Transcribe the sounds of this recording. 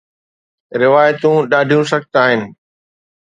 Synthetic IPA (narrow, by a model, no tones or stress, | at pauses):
ɾɪʋaːjt̪ũɗaːɖʱijũsɐɡ̚t̪aːɦɪnɪ̆